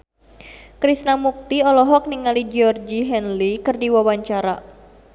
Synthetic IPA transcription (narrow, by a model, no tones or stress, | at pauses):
kɾisnamuk̚t̪iɔlɔɦɔk̚niŋalid͡ʒiɔrd͡ʒiɦɛnlikɨrdiwawaɲt͡ʃaɾa